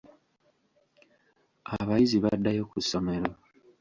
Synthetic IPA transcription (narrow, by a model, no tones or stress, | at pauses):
aβajiziβadːajo̞kuso̞me̞ɾo̞